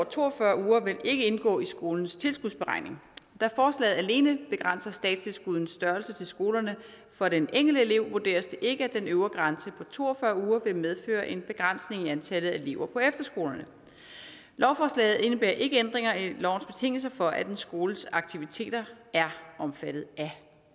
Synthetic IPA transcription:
ɒɐt͡sʰo̝̰ːɒfɶɐuːɐʋe̝le̝ɡ̥əe̝nɡ̥ɔ̰ːisɡ̥o̝ːln̩st͡sʰe̝lsɡ̥uð̰ˠsb̥eʁɑ̈ɪ̰ne̝ŋd̥æɐfɒːslɛ̰ːð̩ˠæle̝ːnəb̥e̝ɡ̥ʁɑan̰sɐsd̥ɛ̰ːd̥st͡sʰe̝lsɡ̥uð̞ˠn̩sd̥ɶɐlsət͡sʰe̝lsɡ̥o̝ːlɐnə | fɒ̽d̥eneŋ̰ɡ̥l̩əele̝ʊ̰ʋuɐd̥e̝̰ːɐsd̥eʔe̝ɡ̥əæd̥enøʊɐɡ̥ʁɑnsəpʰɒ̽t͡sʰo̝̰ːɐfɶɐuːɐʋe̝með̞ˠfø̰ːɐʔe̝nb̥e̝ɡ̥ʁan̰sne̝ŋiænt͡sʰælð̩ˠæele̝̰ʊɐpʰɒ̽efd̥ɐsɡ̥o̝ːlɐnə | lʔɒʊfɒːslɛ̰ːð̩ˠe̝nəb̥ḛːɐʔe̝ɡ̥əend̥ʁeŋɐilɒ̰ʊn̩sb̥e̝̥t͡sʰe̝ŋ̰l̩s̬ɐfɒ̽ʔæd̥ensɡ̥o̝ːləsɑ̈ɡ̥t͡sʰiʋit͡sʰe̝̰ːd̥ɐæɐʔɒ̽mfæd̥ð̩ˠæ

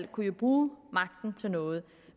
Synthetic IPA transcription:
l̰kʰujo̝b̥ʁuːmɑ̈ɡ̥̚d̥n̩t͡sʰe̝lnɔ̽ːð̞̩ˠ

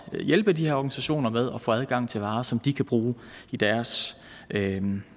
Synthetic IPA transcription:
jelb̥əd̥ihæɐɒɡ̥ænisæɕo̝̰ːnɐmeð̞ˠɒ̽fɔ̽æð̞ˠɡ̥ɑ̈ŋ̰t͡sʰe̝lʋɑ̈ːsɒ̽md̥ikʰæb̥ʁuː | id̥æɐs | ʔø

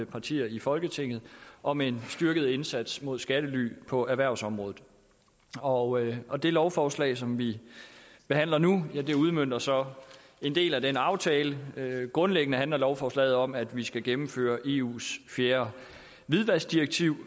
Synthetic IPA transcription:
əpʰɑ̈t͡sʰḭːɐifɒ̽lɡ̥ət͡sʰe̝ŋ̰ð̩ˠʔɒ̽me̝nsd̥ɶɐɡ̥ð̞̩ˠe̝nsæd̥smo̝ð̞ˠsɡ̥æɾ̥əly̰ːpʰɒ̽ʔæɐʋæɐ̰ʊsɒ̽mʁɔ̽ːð̩ˠ | ɒ̽ɒ̽d̥e̝lɒʊfɒːslɛ̰ɪsɒ̽mʋi | b̥e̝hæn̰lɐnujæd̥e̝uð̞ˠmøn̰d̥ɐsɒ̽ | e̝nd̥e̝̰ːlæd̥enɑ̈ʊt͡sʰɛːləɡ̥ʁɔ̽nleɡ̥ənəɦænlɐlɒʊfɒːslɛ̰ːð̩ˠɒ̽mæd̥ʋisɡ̥æɡ̥emm̩fø̰ːɐʔe̝ːṵːsfjeːɐ | ʋiðˠʋæsd̥iʁeɡ̥̚t͡sʰiʊ̰

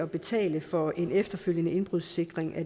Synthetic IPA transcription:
ɒ̽b̥e̝t͡sʰɛ̰ːləfɒ̽ʔe̝nefd̥ɐføl̰jənəe̝nb̥ʁuð̰ˠse̝ɡ̥ʁeŋʔæ

